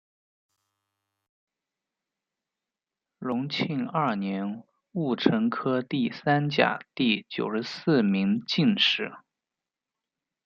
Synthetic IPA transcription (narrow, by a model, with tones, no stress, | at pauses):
ɻʊ˧˥ŋt͡ɕʰi˥˧nɐ˥˩njɛ˧˥n | u˥˩ʈ͡ʂʰɤ˧˥ŋkʰɤ˥t̪i˥˩sa˥nt͡ɕja̰˨˩t̪i˥˩t͡ɕjo̰˨˩ʊʂɻ̩˧˥sɹ̩˥˩mi˧˥ŋt͡ɕi˥˧nʂɻ̩˥˩˦